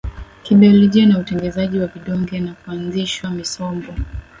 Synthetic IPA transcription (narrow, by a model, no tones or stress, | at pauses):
kiɓiɔlɔʄianautɛŋɡɛzaʄiwaviɗɔŋɡɛnakuanziʃwamisɔmbɔ